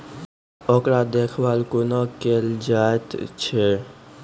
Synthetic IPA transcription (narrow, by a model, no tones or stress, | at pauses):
ɔkɾad̪eːkʰʋaːlkonakeld͡ʒaːet̪t͡ʃʰe